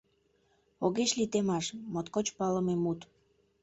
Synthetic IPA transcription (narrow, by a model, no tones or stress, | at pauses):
oɣeʃlit̪emɑʃmot̪kot͡ɕpɑlə̆memut̪